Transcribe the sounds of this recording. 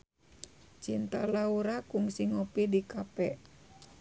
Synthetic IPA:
t͡ʃint̪alauɾakuŋsiŋɔpidikapɛ

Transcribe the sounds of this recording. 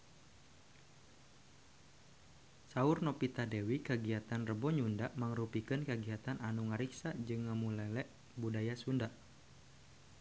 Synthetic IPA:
saʊrnɔpit̪adewikəɡiat̪anrəbɔɲundaʔməŋɾupikɨnkəɡiat̪ananuŋaɾiksad͡ʒɨŋːəmulɛlɛʔ | budajasundaʔ

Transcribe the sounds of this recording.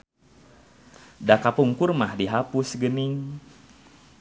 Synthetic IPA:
dakapuŋkurmahdiɦapusɡənɪŋ

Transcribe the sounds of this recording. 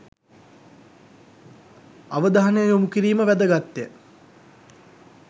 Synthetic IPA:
aʋəd̪aɦanəjəjomukiɾiːməʋæd̪əɡat̪ːe

